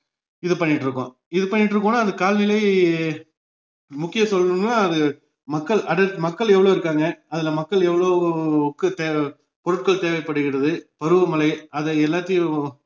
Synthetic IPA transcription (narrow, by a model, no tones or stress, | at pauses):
ɪðɐpɐɳːɪʈːɾɯkːʊ̰̃ | ɪðɯpɐɳːɪʈːɾɯkːʊ̃nːaːnd̪ɐkaːlnɪlɐɪ | mʊkːɪjɐsɔlːɯŋnaːɐðɯ | mɐkːɐɭʔɐɽɐʈmɐkːɐɭɛʋːɐɭoːɪɾɯkːaːŋɡɐɐðɪlɐmɐkːɐɭɛʋːɐɭokːɯt̪eː | pɔɾɯʈ̚kɐɭt̪eːʋɐɪpːɐɽɯɣɪɽɐðɯpɐɾɯʋɐmɐlɐɪɐðɛɛlːaːt̪ːɪjʊ̃